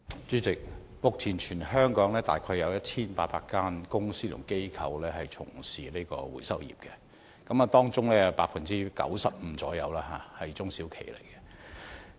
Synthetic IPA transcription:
t͡syː˨˥t͡sɪ˨k̚ | mʊ˨k̚t͡sʰiː˨˩nt͡ʃʰyː˨˩nɦœː˥ŋkɔː˨˥ŋlɛː˥t̪a̰ː˨jkʰɔ˧jɐ˨˧wjɐ˥t̚t͡sʰiː˥npaː˧t̚paː˧k̚kaː˥nkʊ˥ŋsiː˥t̪ʰʊ˨˩ŋke˥jkʰɐ˨˧wlɛː˥ɦɐ˨jt͡sʰʊ̰˨˩ŋsiː˨˩ne˥jkɔ̰ː˧wṵ˨˩jsɐ˥wjḭ˨p̚kɛ˧ | kɐ˨˥ma˨t̪ɔː˥ŋt͡sʊ˥ŋlɛː˥˨paː˧k̚fɐ˨nt͡siː˥kɐ̰˨˥wsɐ˨p̚m̩˨˧˥t͡sɔː˨˥jɐ˨˧wlaː˥ɦaː˨˩hɐ˨jt͡sʊ˥ŋsiː˨˥wkʰḛ˨˩jlḛ˨˩jkɛ˧

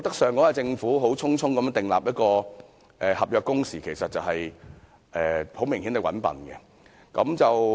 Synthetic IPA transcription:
kt̪ɐ˥ksœː˨ŋkɔː˨˥waː˧jt͡sɪ˧ŋfuː˨˥ɦo˨˥wt͡sʰʊ˥ŋt͡sʰʊ˥ŋkɐ˨˦m˧˥nt̪ɪ˨ŋla̰ː˨p̚jɐ˥t̚kɔː˧ | ʔɛː˨hɐ˨p̚jœː˨˧kːʊ˥ŋsiː˨˩kʰe˨˩jsɐ˨t̚t͡sɐ˨wɦɐ˨j | ʔɛː˨ho˨˥wmɪ˨ŋhi˨˥nt̪e˨˧wɐ̰˨˥npɐ̰˨˩nɡɛ̰˧ | kɐ̰˨˥mt͡sɐ˨w

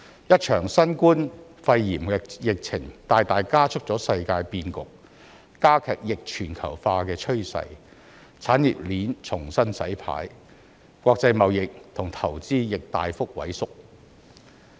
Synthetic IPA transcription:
jɐ˥t̚t͡ʃʰœː˨˩ŋsɐ˥nkuː˥nfɐ˧jjiː˨˩mɛ˧jɪ˨k̚t͡sʰɪ˨˩ŋt̪aː˨jt̪aː˨jkaː˥t͡ʃʰɵ˥k̚t͡sɔː˨˥sɐ˧jkaː˧jpiː˧nkʊ˨k̚ː | aː˥kʰɛː˨˩k̚jɪ˨k̚t͡ʃʰyː˨˩nkʰɐ̰˨˩wfaː˧kɛː˧t͡ʃʰɵ˥ɥsɐ̰˧j | t͡sʰaː˨˥njḭ˨p̚liː˨˥nt͡sʰʊ˨˩ŋsɐ˥nsɐ˨˥jpʰa̰ː˨˥j | kʷɔː˧k̚t͡sɐ˧jmɐ˨wjɪ˨k̚t̪ʰʊ˨˩ŋt̪ʰɐ˨˩wt͡siː˥jɪ˨k̚t̪a̰ː˨jfʊ˥k̚wɐ̰˨˥jsʊ˥k̚

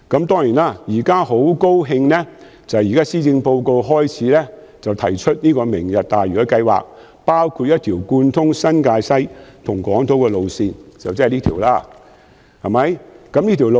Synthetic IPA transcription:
kɐ˨˥mt̪ɔː˥ŋjiː˨˩naː˧˥jiː˨˩kaː˥ho˨˥wko˥wɦɪ˧ŋnɛ˥ | t͡sɐ˨wjiː˨kaː˥siː˥t͡sɪ˧ŋpo˧wko˧wɦɔː˥jt͡sʰiː˨˥lɛː˥ | t͡sɐ˨wt̪ʰɐ˨˩jt͡ʃʰɵ˥t̚niː˥kɔː˧mɪ˨˩ŋjɐ˨t̚t̪aː˨˩jyː˨˩ɐ˧kɐ˧jwa̰ː˨k̚ | paː˥wkʰuː˧t̚jɐ˥t̪ʰiː˨˩wkuː˧nt̪ʰʊ˥ŋsɐ˥nkaː˧jsɐ˥jt̪ʰʊ˨˩ŋkɔː˨˥ŋt̪o˨˥wkɛː˧lo˨˧wsiː˧nt͡sɐ˨wt͡sɛ˥˨liː˥t̪ʰiː˨˩wlaː˥ | hɐ˨˩mɐ˨˥jkɐ˨˥mliː˥t̪ʰi˨˩wlo˨

